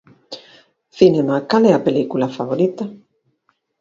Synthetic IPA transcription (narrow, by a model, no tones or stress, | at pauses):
θinemakaleapelikulafaβoɾit̪a